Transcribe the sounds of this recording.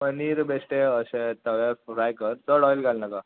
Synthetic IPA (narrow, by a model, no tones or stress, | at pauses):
məniɾbesʈeəɕẽt̪əʋaɾɾajkəɾt͡səɽɔjlɡalnəka